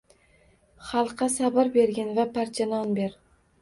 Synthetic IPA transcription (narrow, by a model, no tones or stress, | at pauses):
χɑlˠqʰːɑsabɪɾbe̞ɾɡʲanvapʰaɾt͡ʃʰanɒnbe̞ɾ